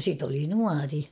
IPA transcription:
sit oli nuɑri

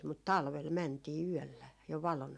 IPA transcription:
mut tɑlʋel mæntiː yœˑlːæ jo ʋɑlon

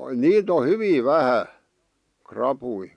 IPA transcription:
niːt o hyʋi ʋæhæ krɑpui

